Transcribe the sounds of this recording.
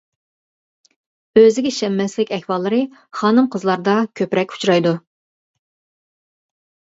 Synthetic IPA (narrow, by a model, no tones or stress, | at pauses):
øzɪɡʲɛʃɛmːɛslɪkʲɛhʲwɑlˠːɨɾɨχɑːnɨmqʰəzlˠɑɾd̪ɑkʲʰøpɾɛkʲu̥t͡ʃɾɑjd̪u